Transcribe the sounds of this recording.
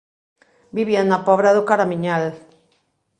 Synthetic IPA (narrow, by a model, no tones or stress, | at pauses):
biβianapɔβɾaðʊkaɾamiɲal